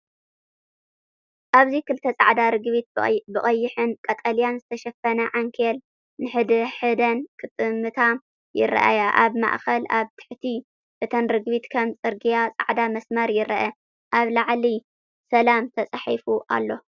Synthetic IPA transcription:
ʔaβzikɨlt̪ʰɐt͡sʼa̰ʕd̪aɾɨɡβit̪̚bɨχʼɐjːɪħɨnkʼɐt̪ʼɐlijanzɨt̪ʰɐʃɐfɐnɐʕaŋkʰel | nɨħɨd̪ɨħɨd̪ɐnkʰɨt̪ʼɨmɨt̪ʰam | jɪ̰rɐ̰ʔa̰jaʔaβma̰ʔxɐlaβt̪ʰɨ̥ħt̪ʰi | ʔɨt̪ʰɐnɾɨɡβit̪kʰɐmt͡sʼɨɾɡijat͡sʼa̰ʕd̪amɐsmɐɾjɪɾɐʔɐ | ʔaβlaʕli | sɐlamt̪ʰɐt͡sʼaħifuʔa̰lːo̞

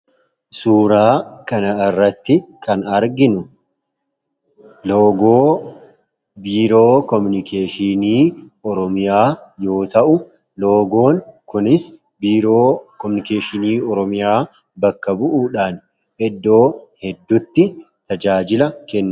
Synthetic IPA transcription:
suːɾaːkɐnɐɪrːɐt̪ːɪkʰɐnɐɾɡɪnʊ | loːɡoː | biːɾoːkɔmʊnɪkʰeːʃɪniː | ɔɾɔmɪjaːjo̞ːt̪ɐʔʊ | lo̞ːɡo̞ːnkʊnɪs | biːɾoːkɔmʊnɪkeːʃɪniːɔɾɔmɪjaː | bɐkːɐbʊʔuːᶑaːn | ɛd̪ːo̞ːhɛd̪ːʊt̪ːɪ | t̪ɐd͡ʒaːd͡ʒɪlɐkɛnːʊ

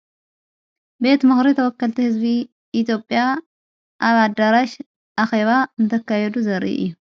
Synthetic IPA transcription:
be̞t̪mɨxɾit̪ʰɐwɔkːɐlt̪ʰihɨzbi | ʔːt̪ʰjo̞pʼja | ʔaβad̪ɐɾaʃ | ʔaxeβaɨnt̪ʰɐkːajɛd̪uzɐɾʔḭʔɨ̰jːu

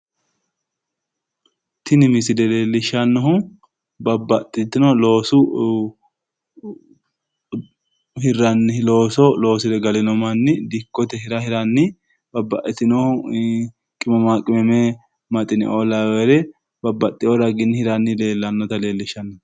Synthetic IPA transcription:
t̪ɪnɪmɪsɪd̪ɛle̞ːlːɪʃɐnːɔɦʊ | bɐbːɐt̪ʼːɪt̪ːɪnɔlo̞ːsʊ | hɪrːɐnːɪloːsɔlo̞ːsɪd̪ɛɡɐlɪnɔmɐnːɪd̪ɪkːɔt̪ɛhɪɾɐhɪɾɐnːɪ | bɐbːɐʔɛt̪ɪnɔh | kʼɪmɐmakʼɪmɛmɛ | mɐt̪ʼɪnɪ̰ʔolawɛɾɛ | bɐbːɐt̪ʼːɪjɔɾɐɡɪnːɪhɪɾɐnːɪle̞ːlːɐnːɔt̪ɐle̞ːlːɪʃɐnːɔ

